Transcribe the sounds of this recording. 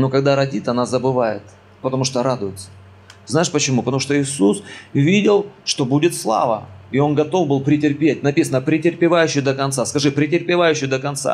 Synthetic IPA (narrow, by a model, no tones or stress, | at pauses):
nokɐɡd̪aɾɐdʲit̪ɐnazəbɨvajɪ̰t̪ | pət̪ɐmuʂt̪oɾad̪ʊjɪt̪sə̥ | znaɪʂpət͡ɕɪmupət̪ɐmuʂt̪oɪsusvʲidʲɪlˠʂt̪o̞budʲɪt̪slˠa̰və̰ɪo̞nɡɐt̪o̞vbɨlˠpɾʲɪtʲɪrpʲet̚ʲnɐpʲisənəpɾʲɪtʲɪrpʲɪvajʉɕːɪjd̪əkɐnt̪saskɐʐɨpɾʲɪtʲɪrpʲɪvajʉɕːɪjd̪əkɐnt̪sa̰